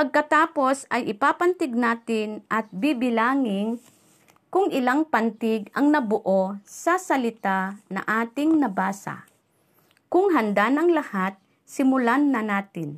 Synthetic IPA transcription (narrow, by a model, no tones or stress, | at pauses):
pɐɡ̚kɐt̪aːpo̞sɐjʔɪpaːpɐnt̪ɪɡ̚naːt̪ɪnʔɐt̪̚bibɪlaːŋɪŋ | kʊŋʔɪlaŋpant̪ɪɡɐŋnɐbʊʔosɐsɐlɪt̪anɐ̰ʔaːt̪ɪŋnɐbaːsa̰ | kʊŋɦɐnd̪anɐŋlɐhat̪̚ | sɪmʊlanːɐnaːt̪ɪn